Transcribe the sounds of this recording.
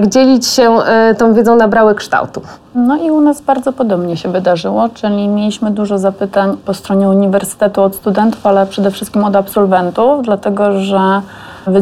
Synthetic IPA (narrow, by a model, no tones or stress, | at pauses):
ɡd͡ʑelʲit͡ɕɕɛt̪ɔ̃w̃vʲjedzɔ̃w̃nabɾawɘkʂt̪a̰wt̪u | nɔiunazbaɾd̪zɔpɔd̪ɔbɲɛɕɛvɘd̪aʐɘwɔt͡ʂɘlʲimʲjelʲiɕmɘd̪uʐɔzapɘt̪aɲpɔst̪ɾɔɲɛuɲivɛɾsɘ̥t̪ɛt̪uɔt̪st̪ud̪ɛnt̪ufalɛpʂɛd̪ɛfʂɘst̪kʲimɔd̪apsɔlvɛnt̪ufd̪lat̪ɛɡɔʐɛ | vɘ